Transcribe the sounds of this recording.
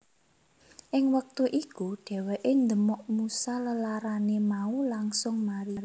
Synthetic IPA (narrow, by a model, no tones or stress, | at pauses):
ʔɪŋwək̚t̪uʔikuɖ̥ɛ̤weʔend̪əmɔʔmusaləlaɾanemaulaŋsʊŋmaɾiɾ